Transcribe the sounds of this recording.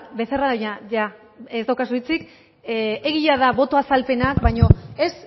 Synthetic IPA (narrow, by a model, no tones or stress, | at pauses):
be̞θeraðojaʝa | ezd̪awkasuit͡sik | e̞ɣiʎaðaβo̞t̪oasalpe̞nakbajɲo̞e̞s